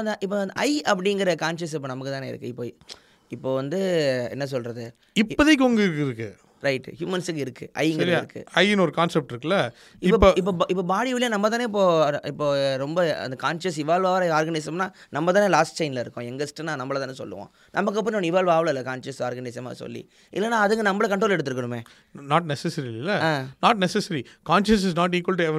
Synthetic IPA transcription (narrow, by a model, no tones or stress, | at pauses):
ɐnd̪ɐʔɪpːoːɐnd̪ɐ̰ɪɐpːɐɽɪŋɡɐɾɐkaːnʃɐs̬ɪp̬ːoːnɐmɐkːɯt̪ãːneːɪɾɯkːɯɪpːoː | ɪpːoːʋɐnd̪ɯɛ̰nːɐs̬ɔlɾɐðɯ | ɪpːɐðɐkːɯɔŋɡɐɪɾkːɪɾɯkːɯ | ɾɐɪʈːhjuːmɐnsɯk̬ːɪɾɯkːɯʔɐ̰ɪŋɡɐɾɐɪɾɯkːɯ̰ɐjɪnɔɾɯkaːnsɛp̚ʈɪɾɯkːɐlɐ | ɪpːoɪpːoːʔɪp̬ːoːbaːɽiʋɪlɪjãːnɐmːɐt̪̬aːneːɪp̬ːoːɪpːoːɾɔmbɐɐ̰nd̪ɐkaːnʃɐsɪʋaːlʋaːʋɾɐaːɾɡɐnɐɪsɐmnaː | nɐmːɐt̪aːneːlaːsʈ̚t͡ʃɐɪnlɐɪɾɯkːʊ̃ɛŋɡɐsʈɐnãːnɐmːɐɭɐt̪aːnɯsɔ̰lːɯ̰ʋõ̰ː | nʔɐmːɐkːɐp̬ːnɔnɪʋaːlʋaːʋlɐɪlːɐkaːnʃɐsaːɾɡɐnɐɪsɐma̰ːsɔ̰lːḭ | ʔɪ̰lːɐnːaːɐðɯŋɡɐnɐmbɐɭɐkɐɳʈɾoːlɛɽɯt̪ːɯɾɯkːɐɳɯmẽː | naːʈ̚nɛsɛsɐɾillːɐãːnaːʈ̚nɛsɛsɐɾikaːnʃɐs̬ɪsnaːʈ̬iːkʋɐlʈuɛʋ